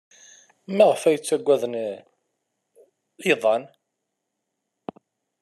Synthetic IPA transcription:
mæʁəfæjət͡sːæɡʷæðən | jðˤɑn

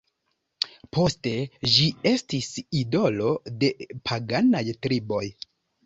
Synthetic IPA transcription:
pʰo̞ste̞d͡ʒie̞stisido̞lo̞de̞pʰaɡanajtɾibo̞j

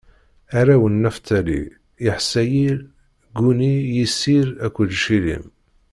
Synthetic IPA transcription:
æɾæwənːæft̪ælḭ | ɪħsːæjiɾ | ɡunijisiɾækʷːəd̪ʃilḭm

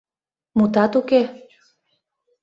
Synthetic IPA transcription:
mut̪ɑt̪uke

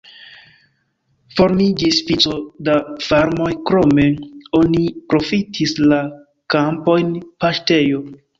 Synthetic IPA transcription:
fo̞ɾmid͡ʒisfit͡so̞dafaɾmo̞jkɾo̞me̞o̞nipɾo̞fitʰisla | kampo̞jnpaʃte̞jo̞

